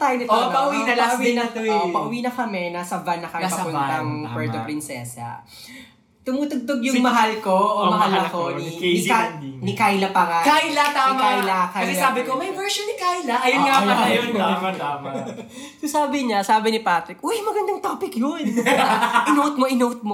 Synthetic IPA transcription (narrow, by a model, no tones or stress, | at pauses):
t̪ajnɛtpɐʔʊwinɐlɐɐmd̪ɛnɐopɐʔʊwiːnɐkɐmɛnɐsɐvanːɐkɐmɛspɐsɐpʊnt̪ɐŋpɛɹt̪opɾɪnsɛsɐ̰ | t̪ʊmuːt̪oɡ̚t̪oɡjʊŋmɐɦalkomɐɦalɐkonianɪkajlɐpɐŋakajlɐt̪aːmaalɐkasɛlsaːbɪkomɐjwɛɹʃonːɪkajlɐʔɐjɐnŋaɐɐjonɐɐamɐ | sosaːbɪɲɐsaːbɪnɪpaːt̪ɾɪk̚ojmɐɡɐnd̪ɐŋt̪oːpɪkjon | ʔɪnowt̪̚moʔɪnowt̪̚mo